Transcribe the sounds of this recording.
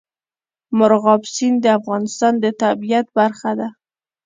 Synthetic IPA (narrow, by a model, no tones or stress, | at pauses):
mʊɾɣɑbsind̪əafɣɑnɪst̪ɑnd̪ət̪abijat̪̚baɾxad̪a